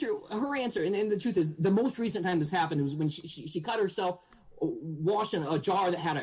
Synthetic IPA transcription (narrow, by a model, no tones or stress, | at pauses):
ə˞ə˞æ̃nsə˞ɨ̃nɨ̃nðɨtʰɹ̥ʉθɨzðɨmoʊst̚ɹisɨ̃n̩tʰãɪ̃mðɨshæpɨ̃nd̚wʌzwɨ̃nʃiʃiʃikʰʌt̚hə˞sɛlˠf | wɑʃɪ̃ŋəd͡ʒɑɹðɨt̚ɦɨɾɨ